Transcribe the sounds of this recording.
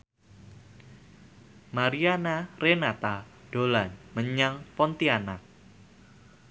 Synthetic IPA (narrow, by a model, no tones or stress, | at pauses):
maɾianarenat̪ad̥olanməɲaŋpɔnt̪iana